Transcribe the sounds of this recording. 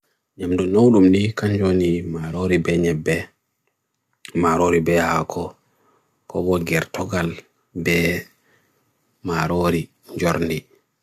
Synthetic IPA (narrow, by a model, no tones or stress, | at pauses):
ɲamdunowɗumdikaɲd͡ʒonimaɾoɾibɛɲɛbːɛ | maɾoɾibɛhakʰɔ | kɔbɔɡɛɾtɔɡal | bɛ | maɾoɾi | ɲd͡ʒoɾndi